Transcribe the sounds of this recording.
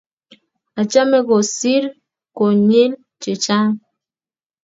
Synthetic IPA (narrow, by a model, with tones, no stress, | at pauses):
a˨t͡ʃa˦me˦ko˨si˦ɾ | ko˨ɲi˦l | t͡ʃi˨t͡ʃa˦